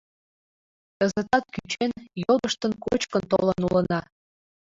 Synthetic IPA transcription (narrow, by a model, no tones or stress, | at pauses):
əzət̪ɑt̪̚kyt͡ɕenjod̪əʃt̪ənkot͡ɕkənt̪olənulənɑ